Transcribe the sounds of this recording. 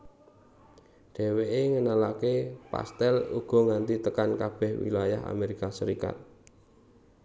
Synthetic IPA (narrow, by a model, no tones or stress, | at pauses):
ɖ̪̥ɛ̤weʔeŋənalakepa̰st̪ɛlṵɡ̥ɔ̤ŋant̪it̪əkankab̥ɛ̤hwḭlaja̰ha̰meɾikasəɾika̰t̪̚